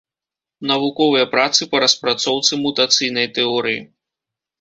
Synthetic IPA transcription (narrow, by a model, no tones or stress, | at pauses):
nɐvukɔvɐjɐpɾat̪sɨpɐɾɐspɾat̪sɔwt̪sɨmut̪at̪sɨjnɐjt̪ɛɔɾɨjḭ